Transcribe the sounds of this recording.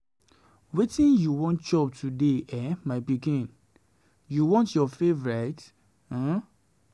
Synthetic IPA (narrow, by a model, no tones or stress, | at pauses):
wetĩnjuwɔ̃nt̚d͡ʒɔp̚tʰudeɛmaɪpikĩn | juwɔ̃ntjɔfevɔɹet̩